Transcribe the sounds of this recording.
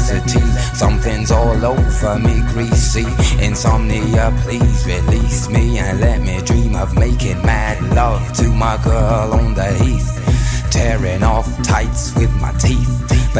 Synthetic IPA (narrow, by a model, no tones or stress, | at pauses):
zɨtʰiθsʌ̃mθɪ̃ŋzɔlˠoʊvə˞miɡɹisiɨ̃nsʌ̃mniəpʰl̥izɹilismiɨ̃nlɛt̚miɨdɹĩmʌvmeɪkɪ̃ŋmædˡlʌv̥tʰɨmaɪɡɜ˞l̃ˠn̩ðɨhiθ | tʰɛɹɪ̃ŋɔftʰaɪtswɪðma̰ɪtʰiθb̥